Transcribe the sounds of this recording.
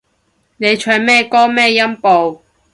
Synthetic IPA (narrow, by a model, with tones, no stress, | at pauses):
ne˨˧jt͡ʃʰœː˨˧nmɛː˥kɔː˥mɛː˥˧jɐ˥mpo˨w